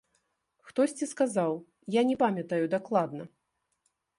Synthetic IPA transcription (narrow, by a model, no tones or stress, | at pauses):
xt̪ɔsʲt͡sʲiskazaw | janʲɛpamʲɐt̪ɐjud̪aklˠad̪nɐ